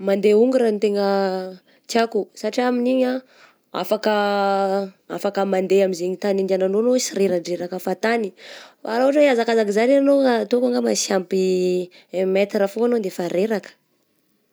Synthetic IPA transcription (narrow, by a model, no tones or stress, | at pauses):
mand̪euŋɡuɾant̪eŋə | kjakusaʈ͡ʂiaminiɲa | a̰fakə | a̰fakəmand̪eamizeɲit̪anind̪ananonosiɾeɾaɳɖ͡ʐeɾakəfat̪anifaɾauaʈ͡ʂəiazakazakizaɾianoat̪okaŋɡamasampi | met̪ɾafoanond̪efaɾeɾakə̥